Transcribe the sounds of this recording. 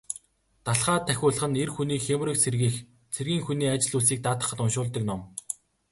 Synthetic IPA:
t̪aɮχaːt̪ʰːæxʲʊːɮə̆χɘ̆nerxuniːkxʲemrĭksʰerɣiːx | t͡sʰerɣʲiːŋxuniːat͡ɕɪ̆ɮus̬iːk̚t̪aːt̪ə̆χə̆t̪ʊnʃʊːɮt̪ə̆knɔm

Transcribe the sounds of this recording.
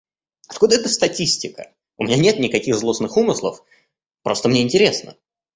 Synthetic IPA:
ɐt̪kud̪əɛt̪əst̪ɐtʲisʲtʲɪkə̰ | ʊmʲɪnʲanʲe̞t̪nʲɪkɐkʲixzlˠosnɨxumɨslˠə̰f | pɾo̞st̪əmnʲeɪnʲtʲɪɾʲesnə̰

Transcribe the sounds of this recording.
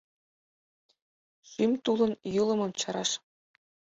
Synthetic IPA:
ʃymʲt̪ulˠɤ̆njɯlˠɤ̆mɤ̆mt͡ɕɤ̆ɾɑʂ

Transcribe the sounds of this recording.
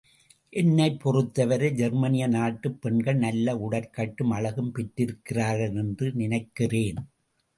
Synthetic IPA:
ʔɛnːɐɪpːɔrɯt̪ːɐʋɐɾɯd͡ʒɛɾmɐnɪjɐnaːʈːɯpːɛɳɡɐɭnɐlːɐʊɽɐɾkɐʈːɯmɐɻɐɣɯmpɛʈːɪɾɯkːɪraːɾɣɐɭɛndrɯnɪnɐɪkːɪreːn

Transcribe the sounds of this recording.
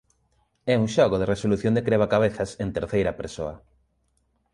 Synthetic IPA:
ɛuŋʃɔɣoðeresoluθjond̪ekɾeβ̞akaβeθɐsent̪eɾθejɾɐpeɾso̰ɐ

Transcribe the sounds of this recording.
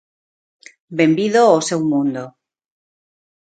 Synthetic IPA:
bembiðoosewmũnd̪o

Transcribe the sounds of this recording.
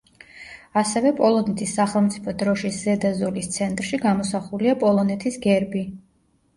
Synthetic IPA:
asɛvɛpʼɔlˠɔnɛt̪ʰisːaχɛlˠmt̪sʼipʰɔd̪ɾɔʃisz̥ɛd̪azɔlist̪sʰɛnt̪ʼɾʃiɡamɔsaχuliapʼɔlˠɔnɛt̪ʰisɡɛɾbi

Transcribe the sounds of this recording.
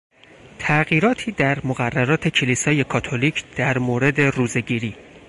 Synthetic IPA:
t̪ʰæɣiːɾɒːt̪ʰiːd̪æɾmoɣærːæɾɒːt̪ʰe̞cʰeliːsɒːje̞kʰɒːt̪ʰoliːcʰd̪̥æɾmoːɾe̞d̪e̞ruːze̞ɟiːɾiː

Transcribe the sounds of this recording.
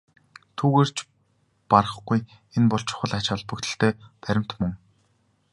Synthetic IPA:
t̪ʰuːɣeːr̥t͡ɕ | parə̆χɡuj | enpɔɬt͡ɕʰʊ̥̆χə̆ɮat͡ɕɔɮpɵ̆kt̪ɘ̆ɬt̪eːp̪æɾʲɪ̆m̥t̪mɵ̆ŋ

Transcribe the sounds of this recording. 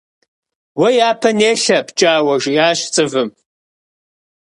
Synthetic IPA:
wɐjaːpʰɐneːɬɐpʰt͡ʃʼaːwɐʒjaːɕt͡sʼɨvɨm

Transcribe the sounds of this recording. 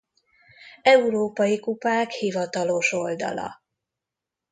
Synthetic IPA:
ɛuɾoːpɒjikupaːkhivɒt̪ɒlo̞ʃo̞ld̪ɒ̰lɒ̰

